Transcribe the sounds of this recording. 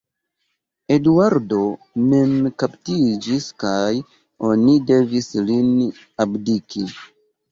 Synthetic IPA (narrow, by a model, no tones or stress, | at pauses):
e̞duaɾdo̞ | me̞mkaptid͡ʒiskaj | o̞nide̞vislin | abdiki